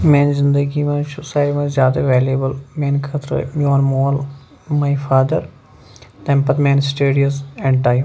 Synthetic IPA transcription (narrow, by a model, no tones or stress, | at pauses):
mẽːnzɪnd̪əɡimɐ̃sʊsaːjʈmɐ̃zjaːd̪aʋeːljeːbəlmẽːnkʰɐt̪ɾə̰mioːnmoːl | maːifaːd̪əɾ | t̪ɛ̃mpɐt̪mẽːnsʈeːɖiəsɛ̃ɳʈaːj